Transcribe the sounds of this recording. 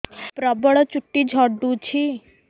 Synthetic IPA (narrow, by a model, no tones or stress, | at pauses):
pɾəbəɭt͡ʃʊʈːid͡ʒʱɔɖũt͡ʃʰi